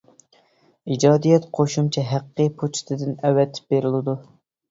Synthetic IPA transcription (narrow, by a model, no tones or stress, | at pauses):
id͡ʒɑːd̪ijɛt̪qʰoʃumt͡ʃʰɛɦæqːɨpʰot͡ʃʰi̥t̪ʰɨd̪ɪnɛwɛt̪ʰɪ̥p̚beɾɪlɪd̪u